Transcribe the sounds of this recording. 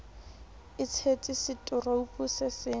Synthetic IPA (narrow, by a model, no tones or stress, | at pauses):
ɪt͡sʰet͡sʼisɪtʼʊraupʼusɪsɪː